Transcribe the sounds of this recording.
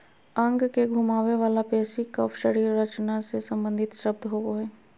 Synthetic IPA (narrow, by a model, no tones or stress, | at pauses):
ɐ̃ŋɡkeɡʱuːmaːweʋaːlapɛːsikəfʃəɽiːɾːɐt͡ʃnasesɐ̃mbə̃nd̪ʱɪt̪ʃɐb̚d̪ʱɦooɦɛː